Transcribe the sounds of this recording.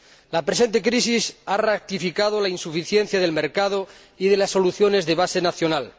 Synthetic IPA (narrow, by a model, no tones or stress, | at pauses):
lapɾese̞nt̪e̞kɾis̬isarak̚t̪ifikað̞olainsufiθjenθjað̞e̞lmeɾkað̞o | iðe̞lasːo̞luθjo̞ne̞zðeβ̞ase̞naθjo̞nal